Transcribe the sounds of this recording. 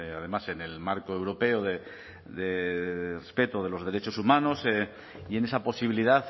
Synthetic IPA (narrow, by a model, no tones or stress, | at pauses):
að̞e̞mase̞ne̞lmaɾkoewɾo̞pe̞oðe | d̪erespe̞t̪oð̞e̞lo̞zð̞e̞ɾe̞t͡ʃo̞sumano̞se | ie̞ne̞sapo̞siβ̞iliðaθ